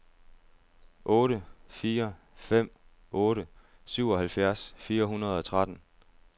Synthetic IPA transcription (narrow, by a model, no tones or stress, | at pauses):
ʔɔ̽ːɾəfiːɐ | fem̰ | ɔ̽ːɾə | syʊ̰ɒ̽ɦælfjæɐsfiːɐɦunɐð̞̩ˠɒ̽t͡sʰʁad̥n̩